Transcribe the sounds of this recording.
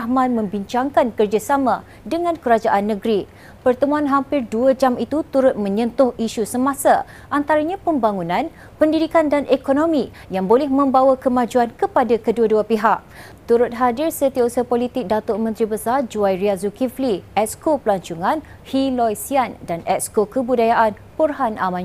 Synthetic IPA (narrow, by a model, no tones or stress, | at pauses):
hmãnmə̃mbiɲt͡ʃaŋkankərd͡ʒasamã | dəŋãnkəɾad͡ʒaʔanːə̃ɡɾi | pərt̪əmuanɦampɪrduəd͡ʒamit̪ut̪uɾʊt̪̚mə̃ɲə̃nt̪ʊhiʃusəmãsa | ʔant̪aɾaɲãpəmbaŋunãn | pəndidikandanʔekonõmĩ | jaŋbolɛhmə̃mbawakəmãd͡ʒuankəpadakəduəduapiɦaʔ̚ | t̪uɾʊt̪̚ɦadɪrsət̪iausəpolit̪ɪk̚dat̪ʊmə̃nt̪ɾibəsard͡ʒuajɾiaszukifliʔɛskopəlaɲt͡ʃuŋãn | hilɔjsiandanɛʔskokəbudajaʔan | purɦanʔamãn